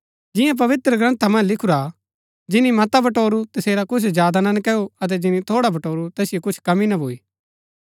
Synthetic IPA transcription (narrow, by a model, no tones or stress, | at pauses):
d͡ʒɪjãp̬ɐʋɪt̪ɾəɡɾɐ̃nt̪ʰamɐ̃nd͡ʒlɪkʰuɾa | d͡ʒɪnimɐt̪abɐʈoːɾut̪ɐseːɾakʊt͡ʃʰd͡ʒjaːd̪anɐnkɛːoɐt̪̬ɛd͡ʒɪnit̪ʰoːɽabʱɐʈoːɾut̪ɛːsɪjokʊt͡ʃʰkɐminɐbʱoːiː